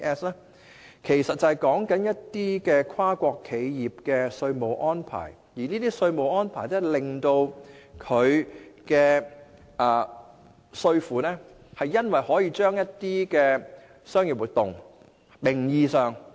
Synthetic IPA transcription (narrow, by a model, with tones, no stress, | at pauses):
ɛː˥slɛː˥ | kʰe˨˩jsɐ˨t̚t͡sɐ˨hjkɔː˨˥ŋkɐ˨˥njɐ˥tt̪iː˥kɛː˧kʰwaː˥kʷɔː˧kʰːe˨˧jjiː˨p̚kɛː˧sɵ˧ɥmo˨˩wʔɔː˥npʰa̰ː˨˩j | jiː˨˩niː˥t̪iː˥sɵ˧ɥmo˨wʔɔː˥npʰaː˨˩jlɛː˥lɪ˨˩ŋt̪o˧wkʰɵ˨˧ɥkɛː˧ | ʔɐː˨˩ | sɵ˧ɥfuː˨˩nɛː˥ | hɐ˨jːɐ˥nwɐ˨jhɔː˨˥jiː˧t͡ʃœː˥ŋjɐ˥tt̪iː˥kɛː˧ | sœː˥ŋji˨p̚wuː˨˩t̪ʊ˨ŋ | mɪ˨˩ŋjiː˨sœː˨ŋ